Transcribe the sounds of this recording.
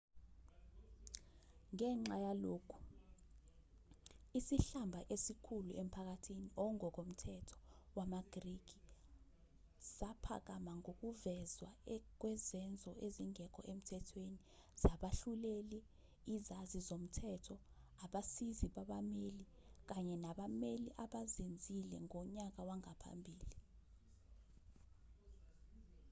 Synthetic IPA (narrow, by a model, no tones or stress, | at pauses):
ŋɛŋ͡ǁajaloːkʰu̥ | isiɬambʱaʔesikʰuluʔem̩pʰak̬atʰiniʔɔŋɔk̬om̩tʰɛtʰɔ̥wamaɡ̥riɡ̥ʱi | z̥apʰa̰k̬amaŋok̬uvɛzwak̬wɛzɛnd͡zʱɔʔeziŋɛk̬ʰʼɔʔem̩tʰɛtʰweni | z̥aɓaɬuleli | izazizom̩tʰɛtʰɔaɓasiziɓaɓameli | k̬aɲɛnaɓameliʔaɓazend͡zʱilɛŋɔɲak̬awaŋapʰa̰mbʱiːli